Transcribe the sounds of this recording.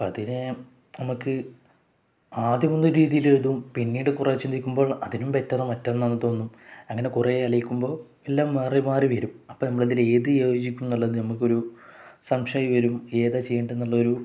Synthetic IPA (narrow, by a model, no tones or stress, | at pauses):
pːɐðine | nɐmukːɨ | aːd̪jɐmond̪uɾiːðijileɻðumpinːiːɽɨkuret͡ɕːonikʲːumbo̞ːɭɐðinumpetːɐðɐmɐtːɐenːɐnːɨt̪o̞ːnːumɐŋːɐne̞kureɐlɐjikʲːumbo̞ː | elːaːmːerimaːriʋɐɾumɐpːoːnɐmːɐɭɐðile̞ːðɨjooːd͡ʑikʲːumenːuɭːɐðɨnɐmukːo̞ɾusɐmʂɐjɐʋɐɾume̞ːðat͡ɕe̞jːeɳɖe̞nːuɭːɐoɾu